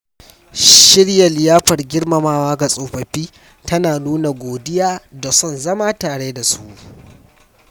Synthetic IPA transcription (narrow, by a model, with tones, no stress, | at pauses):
ʃɪ˦ɽjɐ˨lɪ˨jaː˦ɸɐ˨rɡʲɪ˦ɽmɐ˨maː˦waː˦ɡa˨sʼoː˨ɸɐ˨ɸiː˦ | tɐ˦naː˨nuː˦na˨ɡʷoː˨dɪ˦jaː˦da˨sɔ˦˨nzɐ˦maː˦taː˨ɽeː˦da˨su˦ʔ